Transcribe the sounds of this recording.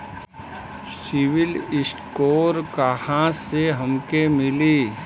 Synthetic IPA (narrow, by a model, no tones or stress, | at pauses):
sɪʋɪlɪsʈkoːɾkahãseɦɐmkemɪliː